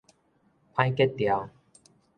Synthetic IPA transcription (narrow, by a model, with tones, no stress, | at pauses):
pʰã˧jkɛ˥t̚t̪ja˨˩w